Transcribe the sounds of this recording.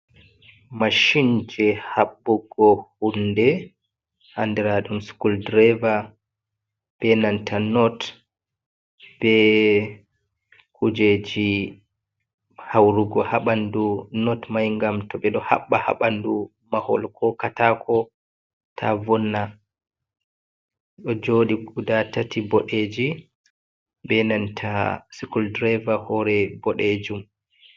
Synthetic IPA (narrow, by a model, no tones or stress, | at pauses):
maʃind͡ʒɛhaɓːuɡɔhundɛ | handɛɾaɗumskuldɾɛva | b̥ɛnantʰanɔt | b̥ɛ | kud͡ʒed͡ʒi | hawɾuɡɔhaɓandunɔtmajŋɡamtɔɓɛɗɔha̰ɓːaha̰ɓandu | mahɔ̰lkʰɔkatakʰɔ | tʰavɔnːa | ɗɔd͡ʒoːɗiɡudatatʰibɔɗed͡ʒi | bɛnantʰasikuldɾɛvahɔɾɛbɔɗed͡ʒum